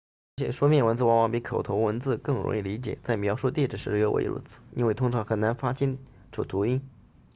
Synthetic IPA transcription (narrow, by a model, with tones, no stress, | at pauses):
ə˧˥t͡ɕʰjɛ˨˩ʂu˥mʲjɛ˥˩nwə˧˥nt͡sɹ̩˥˩wɑ˧˥ŋwɑ˨˧˩ŋpi˧˥kʰo˨˩ʊt̪ʰo˧˥ʊwə˧˥nt͡sɹ̩˥˧kɤ˥˩ŋɻʊ̰˧˥ŋi˥˩li˧˥t͡ɕjɛ̰˨˩t͡sa˥˩ɪmjɑ˧˥ʊʂu˥˧t̪jɛ˥˩ʈ͡ʂɻ̩˩ʂɻ̩˧˥ɻ̩˥o˧˥wʔḛ˧˥ɻṵ˥˩t͡sʰɹ̩̥˨˩˦ḭ˥nwe˥˩ɪt̪ʰʊ˥ŋʈ͡ʂʰɑ˧˥ŋxə˨˩na˧˥nfa˥t͡ɕi˥n | ʈ͡ʂʰṵ˨˩t̪ʰu˧˥i˥n